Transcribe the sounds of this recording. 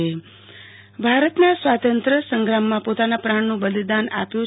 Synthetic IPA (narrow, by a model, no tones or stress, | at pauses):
e | bʱaɾət̪nasʋat̪ənt̪ɾəsəŋɡɾamːãpot̪anapɾaɳnũbəlid̪ana̰pjũ